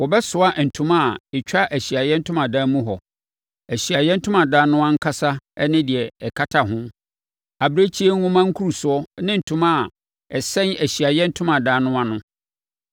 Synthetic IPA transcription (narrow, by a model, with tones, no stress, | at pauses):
wɔ˨bɛ˦sʊ˨a˦n̩˨tʰʊ̃˨ma˦˨ɛ˨t͡ɕᶣa˦ʔæ˨ɕi˨a˨jɛ˦n̩˦tʰʊ̃˦mã˨dãː˦mũ˦ɦɔ˨ | æ˨ɕi˨a˨jɛ˦n̩˦tʰʊ̃˦mã˨daː˦nʊ̃˦ã˦ŋ̩˦kʰa˦sa˦ɛ˦nɪ̃˦dɪ˨ɛ˨ɛ˨kʰa˦tʰa˨ɦʊ̃˦m | a˨bɾe˦t͡ɕʰi˦e˦ŋ˦ŋʊ̃˦mã˦ŋ̩˦kʰu˦ɾu˨sʊ˨˦ɔ˦nɪ̃˦n̩˨tʰʊ̃˨ma˦˨ | ɛ˨sɛ̃˦næ˨ɕi˨a˨jɛ˦n̩˦tʰʊ̃˦mã˨daː˨˦nʊ̃˦a˦nʊ̃˦